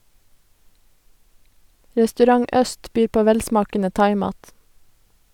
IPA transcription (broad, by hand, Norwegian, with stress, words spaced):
ɾɛstʉˈɾɑŋ ˈʔœst ˈbyːɾ ˈpoː ˈʋɛlˌsmɑːkənə ˈtɑɪˌmɑːt